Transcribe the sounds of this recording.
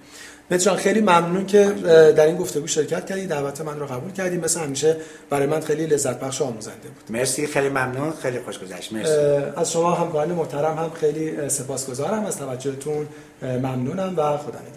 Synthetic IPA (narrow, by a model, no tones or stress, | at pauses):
met̪ɾɒnxejliːmæmnuːncʰe̞d̪æɾiːnɡo̞ft̪e̞ɡuːʃe̞ɾcʰæt̪̚cʰæɾd̪iːd̪ælbæt̪ʰemænroɣæbuːlcʰæɾd̪iːmesehæmiːʃe | b̥æɾɒːjemænxejliːle̞zːæt̪̚ʰbæχʃoɒːmuːzæ̰nd̪ebu̥ːd̪̥meɾsixejlimæmnuːnxejlixoʃɡozæ̰ʃt̪meɾsæzʃo̞mɒːɦæmkɒːɾɑnemo̞ht̪æɾæmhæmxe̞jliːse̞pʰɒːsɡ̥o̞zɒːɾæmæz̥t̪ʰævæd͡ʒːohet̪ʰun | mæmnuːnæmvæxo̞d̪ɒ̰ːnmed̪